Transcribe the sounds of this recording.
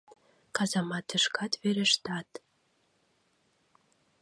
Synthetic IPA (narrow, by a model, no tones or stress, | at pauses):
kɑzɑmɑt̪ːə̆ʃkʰɑt̪βeɾĕʃt̪ɑt̪